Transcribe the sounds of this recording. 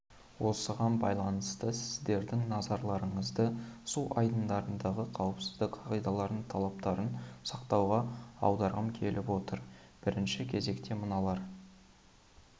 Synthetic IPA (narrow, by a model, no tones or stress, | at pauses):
wo̞səʁɑnbɑ̰jlˠɑnəst̪əsɪzd̪e̞ɾd̪ɪŋnɑzɑɾlˠɑɾəɴəzd̪əsuʔɑ̰jd̪ənd̪ɑɾənd̪ɑʁəqʰɑwəpsɪzd̪ɪkqʰɑʁijd̪ɑlˠɑɾnəɴt̪ʰɑlˠɑp̚t̪ɑɾənsɑqt̪ɑwʁɑɑ̰wd̪ɑɾʁəmkʲʰe̞lʔɪpwo̞t̪əɾ | b̥ɪɾɪnʃɪkʲʰe̞ze̞kt̪e̞mənɑlˠɑɾ